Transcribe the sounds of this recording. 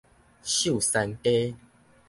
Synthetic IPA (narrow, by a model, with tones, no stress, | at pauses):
ɕju˥˨sa˧nte˦